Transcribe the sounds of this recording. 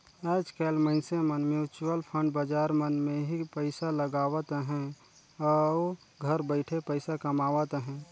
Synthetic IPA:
ɛːd͡ʒkɛlməɪnsemənmjuːt͡ʃuəlpʰə̃ɳɖbəd͡ʒaːɾmənmẽɦipəɪsaləɡaːʋət̪ɦɛ̃ | ɔːo | ɡʱəɾbəɪʈʰepəɪsakəmaːʋət̪ɦɛ̃ː

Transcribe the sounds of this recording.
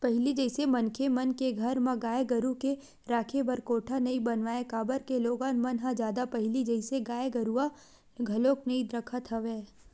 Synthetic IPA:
pɐɦɪlid͡ʒɛɪsemɐnkʰemɐnkeɡʱɐɾmãɡaːeɡəɾuke | ɾaːkʰebɐɾkoːʈʰanɐĩbɐnʋaːẽkaːbəɾkeloːɡãːnmɐnɦãd͡ʒjaːd̪apɐɦɪlid͡ʒɛɪseɡaːjeɡɐɾua | ɡʱɐloːknɐĩd̪ɾəkʰət̪ɦɐʋeː

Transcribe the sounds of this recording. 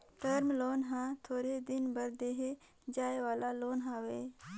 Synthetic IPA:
t̪əɾmloːnɦãːt̪ʰoːɾed̪ɪnbɐɾd̪eːɦe | d͡ʒaːewaːlaloːnɦãːweː

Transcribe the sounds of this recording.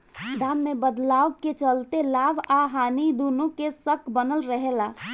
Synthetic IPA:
d̪aːmːẽbəd̪laːʋəkːet͡ʃəlt̪elaːʋaːɦaːnid̪uːnõkesəkʰbənəlɾəɦelaː

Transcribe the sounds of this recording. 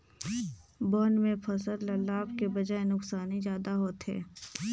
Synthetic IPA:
boːnmẽpʰɐsəɾlɐlːaːbkebɐd͡ʒaːenʊksaːnizjaːd̪aɦoːt̪ɦɛ̰ː

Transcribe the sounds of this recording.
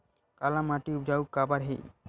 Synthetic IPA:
kalamaʈiubd͡ʒaukːabaɾɦḛj

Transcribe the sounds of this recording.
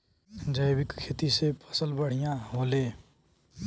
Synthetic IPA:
d͡zʌjbikkʰet̪isepʰʌ̥sʌlbʌɽ̤ijãɦole

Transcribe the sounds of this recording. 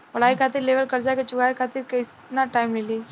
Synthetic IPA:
ʋɐlaːikʰaːt̪ɪɾleːʋəlkɐɾd͡ʒaket͡ʃʊɡaːikʰaːt̪ɪɾkɪt | naʈaːɪmleliː

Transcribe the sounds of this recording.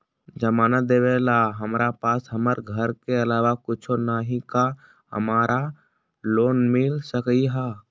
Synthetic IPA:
d͡ʒəmaːnət̪̚d̪eːʋelaːɦəmɾʔapaːsɦəməɾɡʱəɾkeəlaːʋakʊt͡ʃʰonaːɦika | hə̰maːɾʔa | loːnmɪlsəkiɦa

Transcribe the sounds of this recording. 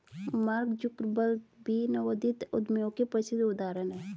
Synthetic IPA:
maɾkd͡ʒʊkɾbəlʈbinɐʋəd̪it̪ʊ̰d̪mjõkepəsɪd̪ʊd̪aːɾənɦɛː

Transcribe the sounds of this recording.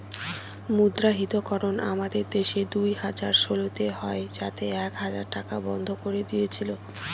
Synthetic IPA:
mud̪ɾaɦit̪okɔɾona̰mad̪eɾd̪eʃed̪ujhad͡ʑaɾʃolot̪eɦɔed͡ʑat̪eɛkɦad͡ʑaɾʈakabɔnd̪ʱokoɾed̪ijet͡ɕʰilo

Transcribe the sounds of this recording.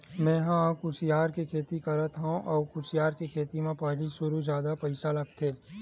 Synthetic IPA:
mɛ̃ːɦãkʊsijaːɾkekʰeːt̪ikɐɾət̪ɦõʔɔːkʊsijaːɾkekʰeːt̪imẽpɐɦlisʊɾuzjaːd̪apɐɪsalɐɡt̪ʰeː

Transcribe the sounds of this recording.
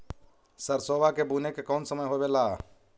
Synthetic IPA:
səɾsoːbakebuːnekekɔːnsəməjɦobelaː

